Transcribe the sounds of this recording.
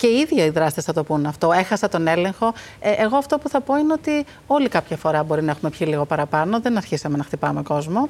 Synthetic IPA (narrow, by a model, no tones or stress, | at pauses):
ce̞iiðʝɐiðɾɐst̪isθɐt̪o̞punɐft̪o̞e̞xɐsɐt̪o̞ne̞le̞ŋxo̞ | eʔeɣo̞ɐft̪o̞puθɐpo̞ineot̪i | o̞likɐpçɐfo̞ɾɐbo̞ɾinɐe̞xume̞pçiliɣo̞pɐɾɐpɐno̞ðe̞nɐɾçisɐme̞nɐxt̪ipɐmeko̞zmo̞